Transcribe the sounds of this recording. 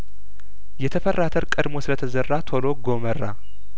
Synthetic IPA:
jɛt̪ʰəfərːat̪ʰəɾkʼəd̪mo̞sɨlət̪ʰəzərːat̪ʰo̞loɡo̞mərːa̰

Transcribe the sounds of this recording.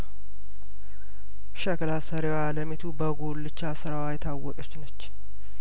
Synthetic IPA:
ʃəklasəɾewaləmit̪ʰubəɡolːɨt͡ʃːasɨɾawajɛt̪ʰawːɔkʼət͡ʃːnət͡ʃː

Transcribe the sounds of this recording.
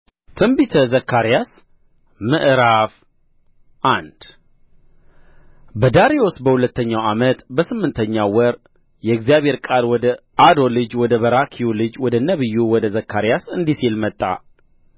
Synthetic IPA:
t̪ʰɨmbit̪ʰəzəkʰːaɾijas | mɨʔɾaf | ʔand̪̥ | bəd̪aɾio̞sbəhulət̪ʰːəɲːawamət̪bəsɨmːɨnt̪ʰəɲːawɔɾ | jɛɨɡzijaβhe̞ɾkʼalwɔd̪ə | ad̪o̞lɨd͡ʒwɔd̪əβəɾakʰijulɨd͡ʒwɔd̪ənəβɨjːuwɔd̪əzəkːaɾijasɨnd̪isilmət̪ʼːa̰

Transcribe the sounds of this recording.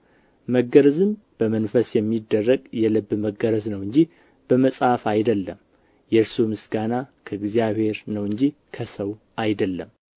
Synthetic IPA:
məɡəɾəzɨn | b̥əmənfəsjɛmːid̪ːərːəɡʼjɛlɨbːməɡəɾəznəwɨɲd͡ʒih | b̥əməsʼafajd̪əlːəm | jɛɾsumɨsɡanakʰəɨɡzijaβhe̞ɾnəwɨɲd͡ʒikʰəsəw | ajd̪əlːəm

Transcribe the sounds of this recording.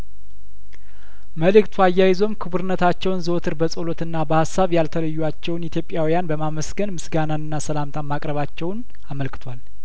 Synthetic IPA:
məlɨkt̪ʰwajːajɪzo̞mkʰɨβuɾɨnːət̪ʰat͡ʃːɛwnzət̪ʰɨɾbəsʼolot̪ɨnːabəhasːaβjalt̪ʰələjːuat͡ʃːɛwnit̪ʰjo̞pʼjawijanbəmaməsɡənmɨsɡanaɨnːasəlamt̪ʰamakʼɾəβat͡ʃːɛwn | aməlkɨ̥t̪ʰwal

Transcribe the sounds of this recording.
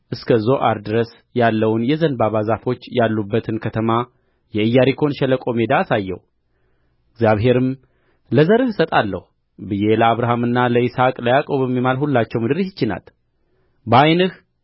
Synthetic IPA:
ʔɨskʰəzo̞ʔaɾd̪ɨɾəs | jalːəwnjɛzənbaβazafo̞t͡ʃːjalːubːət̪ʰɨnkʰət̪ʰəma | jɛɨjːaɾikʰo̞nʃɛləkʼo̞me̞d̪aːsajːɛ̰w | ɪɡzʲjaβɦe̞ɾɨm | ləzəɾɨhsət̪ʼalːə̰h | bɨje̞ləaβɾaɦamɨnːaləɪsakʼləjakʼo̞βɛmːimalhulːat͡ʃːɛwmɨd̪ɨɾihɪt͡ʃːɪna̰l | bajnɨh

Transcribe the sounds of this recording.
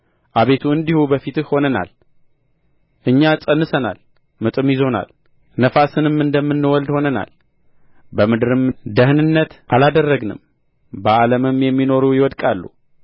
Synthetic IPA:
ʔaβe̞t̪ʰuɨnd̪ihubəfit̪ɨhho̞nəna̰l | ʔɨɲːasʼənːɨsəna̰l | mɨt̪ʼɨmjɪzo̞na̰l | nəfasɨnɨmɨnd̪əmːɨnːɨwɔld̪ho̞nəna̰l | bəmɨd̪ɨɾɨmd̪əhnɨnːət̪ʔalad̪ərːəɡnɨ̰m | bəaləmɨmjɛmːino̞ɾujɪwɔd̪kʼalːṵ

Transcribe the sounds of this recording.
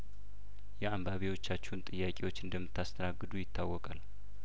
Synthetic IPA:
jɛambaβiwo̞t͡ʃːat͡ʃːɛhnt̪ʼɨjːakʼewo̞t͡ʃːɨnd̪əmːɨt̪ʰːast̪ʰənaɡːɨd̪ujɪt̪ʰːawːɔkʼal

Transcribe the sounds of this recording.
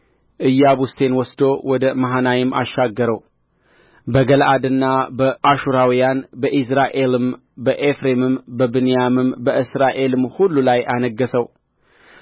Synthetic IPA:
ʔɨjːaβust̪ʰe̞nwɔsd̪o̞wɔd̪əmaɦanajɪmːʔa̰ʃːaɡːəɾəw | bəɡəlʔad̪ɨnːabəʔaʃuɾawijanbəʔis̬ɾaʔe̞lɨm | bəʔefɾe̞mɨmbəbɨnijamɨmbəɨsɾaʔe̞lɨmhulːulajanəɡːəsəw

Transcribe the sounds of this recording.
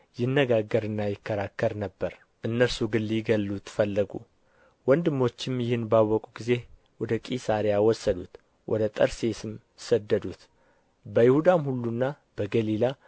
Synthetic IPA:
jɪnːəɡaɡəɾɨnːajɪkːəɾakʰːəɾnəbːəɾ | ʔɨnːəɾsuɡɨnlliɡəlːut̪ʰfəlːəɡṵ | wɔnd̪ɨmːo̞t͡ʃːɪmjɪhɨnbawːɔkʼuɡize̞ | wɔd̪əkʼisaɾijawɔsːəd̪ut̪ | wʔɔ̰d̪ət̪ʼəɾse̞sɨm | səd̪ːəd̪ut̪ | bəjɪhud̪amhulːunːa | b̥əɡəlila

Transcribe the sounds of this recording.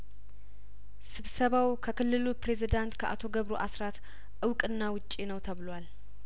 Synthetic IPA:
sɨβsəβawkʰəkɨlːɨlupɾe̞zid̪ant̪kʰəʔa̰t̪ʰo̞ɡəβɾoʔasɾat̪ | ʔɨwkʼɨnːawʊt͡ʃʼːinəwt̪ʰəβɨlwal

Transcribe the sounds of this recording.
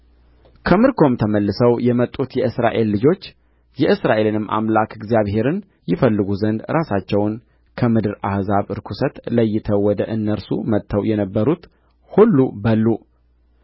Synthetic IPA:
kʰəmɨɾkʰo̞mt̪ʰəməlːɨsəwjɛmət̪ʼːut̪jɛʔɨsɾa̰ʔe̞lːɨd͡ʒo̞t͡ʃː | jɛʔɨsɾaʔe̞lɨnɨmːʔa̰mlakɪɡzijaβɦe̞ɾɨn | jɪfəlːɨɡuzənd̪ɾʔasat͡ʃːɛwn | kʰəmɨd̪ɨɾa̰hzaβɨɾkʰusət̪ləjːɪt̪ʰəwwɔd̪əʔɨnːəɾsṵmət̪ʰːəwjɛnəbːəɾut̪ | hulːubəlːu

